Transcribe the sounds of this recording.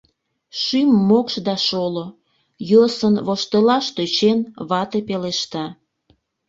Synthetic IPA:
ʃymːokʃd̪ɑʃolo | josənβoʃt̪əlɑʃt̪øt͡ɕenβɑt̪epeleʃt̪ɑ

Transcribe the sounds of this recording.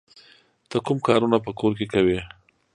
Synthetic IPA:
d̪̥əkumkɑɾunapəkoɾk̬ekawi

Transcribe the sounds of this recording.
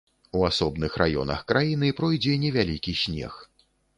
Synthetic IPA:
uasɔbnɨxɾʔajɔ̰nɐ̰xkɾajinɨpɾɔjd͡zʲɛnʲɛvʲalʲikʲisʲnʲɛ̰x

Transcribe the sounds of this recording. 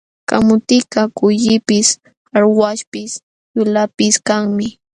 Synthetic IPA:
ka̰mʊt̪ɪkɑkʊʎɪpɪs | aɾwaʃpɪs | jʊlapɪskaŋmɪ

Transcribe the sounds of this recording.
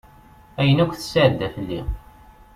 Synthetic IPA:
æjənækʷθə̥səʕd̪ːæθəlːi

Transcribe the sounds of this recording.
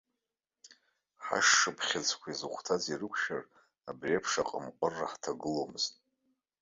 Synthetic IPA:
ħa̰ʂːɨpʰχʲad͡zʰʼkʷʰaizɨχʷtʰazirɨkʷʰʃa̰r | abriapʰʂaqʼəmqʷʼʊrːa̰ħtʰaɡɨlomɨztʼ

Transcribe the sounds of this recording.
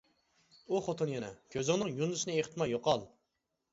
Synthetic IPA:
uχot̪ʰunjɛnɛkʲʰøzɪŋnɨŋjunɨsɨnɨeχt̪ʰɨmɑjoqɑlˠ

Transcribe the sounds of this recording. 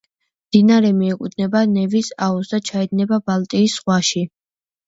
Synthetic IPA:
md̪̥inaɾɛmiɛkʼud̪nɛbanɛvisausd̪at͡ʃʰaɛd̪nɛbabalˠt̪ʼiːsʁwaʃi

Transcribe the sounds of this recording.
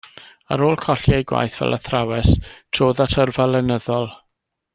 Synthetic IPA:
aɾoːlˠkʰɔɬjajɡwa̰jθv̥ɛ̰lʔaθrawɛstʰr̥oːðatʰərvɛlˠɛnəðɔlˠ

